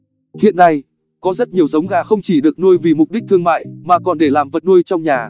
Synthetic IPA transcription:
hḭ˧˨nːa˧j | kɔ˨˦zə˦˥t̚ɲi˨˩əwzə˨˦wŋ͡mɣaː˨˩xə˧wŋ͡mt͡ɕi˧˩ɗɨ˨˩ək̚nu˧jvi˨˩mʊ˨˩k͡p̚ɗi˦˥k̚t̪ʰɨ˧əŋma̰ː˧˨jmaː˨˩kɔ˨˩nɗe˧˩laː˨˩mvə˨˩t̚nu˧əjt͡ɕɔ˧wŋ͡mɲaː˨˩

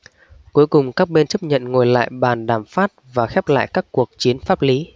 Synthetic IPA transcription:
ku˨˦əjkʊ˨˩ŋ͡mkaː˦˥k̚ɓe˧nt͡ɕə˦˥p̚ɲə̰˧˨nŋo˨˩jla̰ː˧˨jɓaː˨˩nɗaː˧˩mfaː˦˥t̚vaː˨˩xɛ˦˥p̚la̰ː˧˨jkaː˦˥kːu˨˩ək̚t͡ɕi˨˦ənfaː˦˥p̚li˨˦

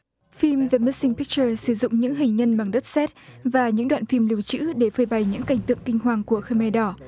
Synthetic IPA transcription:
fi˧mvə˨˧mə˦˥si˧ŋpi˦˥k̚t͡ɕəː˧sɨ˧˩zʊ̰˧˨ŋ͡mɲɨ̰˧˥ŋɦï˨˩ŋ̟ɲə˧nma˨˩ŋɗə˦˥t̚sɛ˦˥t̚vaː˨˩ɲɨ̰˧˥ŋɗwa̰ː˧˨nfi˧mli˧˩əwt͡ɕɨ̰˧˥ɗe˧˩fəː˧˩jɓa˨˩jɲɨ̰˧˥ŋka˨˧˩jŋ̟t̪ɨ̰˧˨əŋkï˧ŋ̟ɦwaː˨˩ŋku˧˩əxə˧me˧ɗɔ˧˩

